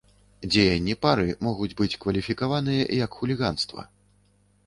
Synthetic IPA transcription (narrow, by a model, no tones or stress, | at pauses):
d͡zʲejɐnʲːipaɾɨmɔɣud͡zʲbɨt͡sʲkvɐlʲifʲikavan̪ɨjɐjɐkxulʲiɣanst̪vɐ̰